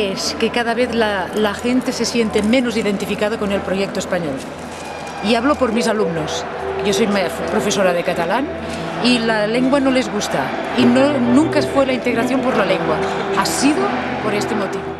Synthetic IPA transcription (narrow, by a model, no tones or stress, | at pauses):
eskekað̞aβ̞eθlalaxent̪ese̞sjent̪emẽnoziðent̪ifikað̞okonelpɾojek̚t̪oespaɲol | iaβlopoɾmizalumnos | ʝoso̞jmpɾofesoɾað̞ekat̪alan | ilaleŋɡwanolezɣust̪a | inonũŋkafwelaint̪eɣɾaθjo̞mpoɾlaleŋɡwa | asiðo | poɾest̪emot̪iβo